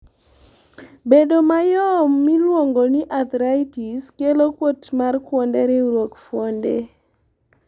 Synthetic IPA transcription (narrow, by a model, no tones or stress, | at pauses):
bedomajɔmːilwoŋɡoniʔat̪ɾaitiskelokwotmarkwondɛɾɪɾwokfwondḛ